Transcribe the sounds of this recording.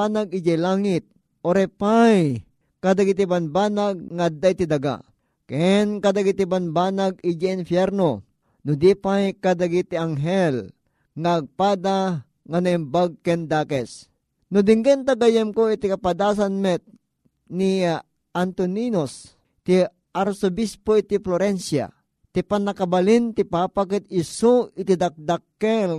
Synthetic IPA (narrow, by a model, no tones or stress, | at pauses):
anaɡɪd͡ʒɛlaːŋɪt̪̚ | ʔoɾɛpaj | kad̪aɡit̪̬ibanbaːnaɡ̚ŋaːd̪ːait̪id̪aɡa̰ | kɛnkad̪aɡit̪ibanbanaɡid͡ʒɛɪnfjɛɾno | nʊd̪ipajkad̪aɡit̪iaŋɦɛl | ŋaːɡ̚paːd̪a | ŋanaimbaɡ̚kɛnd̪aːkɛs | nʊd̪iŋɡɛnt̪aɡajɛmkoit̪ikapad̪aːs̬anmɛt̪̚ | ni | ʔant̪oninos | t̪i | ʔaɾsobispoit̪ifloɾɛnsja̰ | t̪ipanakabalint̪ipaːpakɛt̪̚ɪsoʔɪt̪id̪ak̚d̪akːɛl